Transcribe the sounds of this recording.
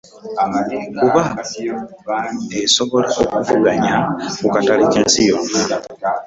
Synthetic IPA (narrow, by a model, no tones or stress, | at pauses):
kuβa | eso̞βo̞laokuvuɡaɲakukataɾikeːnsijo